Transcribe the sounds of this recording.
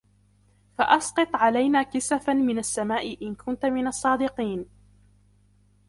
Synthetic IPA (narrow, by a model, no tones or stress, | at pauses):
faʔɑsqɨt̪ˤʕalajnaːkɪsafamɪnasːamaːʔɪʔɪnkʊnt̪mɪnɑsˤːɑːd̪ɪqiːn